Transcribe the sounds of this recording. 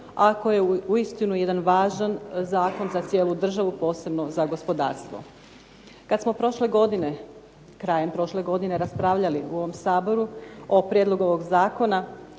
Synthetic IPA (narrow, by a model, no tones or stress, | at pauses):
ako̞jeuist̪inujed̪anʋaːʒanzaːko̞nzat̪sʲjeːlud̪r̩ʒaʋupo̞ːse̞bno̞zaɡo̞spo̞d̪a̰ːɾst̪ʋo̰ | kad̪t̪smopɾo̞ʃle̞ɡod̪ine | kɾaːjempɾo̞ʃle̞ɡo̞d̪ine̞ɾaspɾaːʋʎaliuo̞ʋomsaːbo̞ɾuo̞pɾjed̪lˠo̞ɡuoʋo̞ɡzaːko̞na